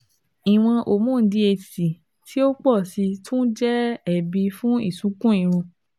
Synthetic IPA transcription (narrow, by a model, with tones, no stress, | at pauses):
i˨w̃ɔ̃˧ʔo˨mũ˦˨˦di˧˦e˧˨ti˨ | tʰi˦o˦k͡pɔ˦˨si˧tʰũ˦d͡ʒɛ˦ɛ˨bi˧fũ˦ḭ˦˨sũ˨˦kũ˦ĩ˧ɾ̃ũ˧